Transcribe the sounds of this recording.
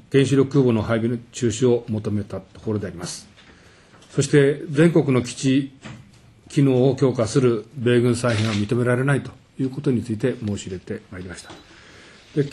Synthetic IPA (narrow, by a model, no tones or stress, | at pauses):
ɡ̥ẽ̞ɰ̃ɕiɾʲo̞kɯːbonohaibʲit͡ɕɨːɕio̞mo̞t̪o̞me̞t̪at̪o̞ko̞ɾo̞d̪e̞aɾʲimasɨ̥ | so̞ɕi̥t̪e̞d͡zẽ̞ŋko̞kɯ̟no̞kʲi̥t͡ɕi | kʲino̞ːokʲo̞ːkasɨɾɯ̟be̞ːɡɯ̟̃ɰ̃saiɦẽɰ̃βamʲit̪o̞me̞ɾaɾe̞nait̪o̞jɯ̟ːko̞t̪o̞ɲ̟it͡sɨit̪e̞mo̞ːɕiɾe̞t̪e̞maiɾʲimaɕi̥t̪ḁ | d̪̥e̞